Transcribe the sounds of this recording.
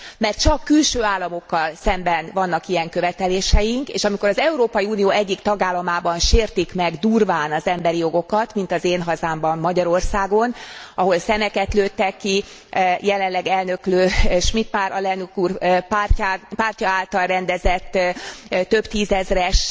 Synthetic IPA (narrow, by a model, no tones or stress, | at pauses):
mɛrt̪̚t͡ʃɒkːylʃøːaːlːɒmo̞kːɒlsɛmbɛnvɒnːɒkijɛŋkøvɛt̪ɛleːʃɛjiŋkḛːʃɒmiko̞ɾɒzɛuɾoːpɒjiuːnijoːɛɟːikt̪ɒɡaːlːɒmaːbɒnʃeːrt̪ikmɛɡd̪uːrvaːnɒzɛmbɛɾijo̞ɡo̞kɒt̪mint̪ɒzeːnɦɒzaːmbɒmːɒɟɒɾo̞rsaːɡo̞nɒɦo̞lsɛmɛkɛt̪løːt̪ːɛkːijɛlɛnlːɛɡɛlnø̞kløːʃmit̪maːɾɒlɛnukuːrpːpaːrcɒaːlt̪ɒlrɛnd̪ɛzɛt̪ːt̪ø̞bt̪iːzɛzrɛʃ